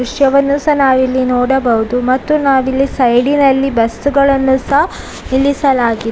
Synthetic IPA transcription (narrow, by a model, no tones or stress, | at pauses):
uʂjɐʋɐnːusɐnaːʋilːinoːɽɐbɐɦud̪umɐt̪ːunaːʋilːisɐjɽinɐlːibɐst̪uɡɐɭɐnːusɐ | nilisɐlaːɡi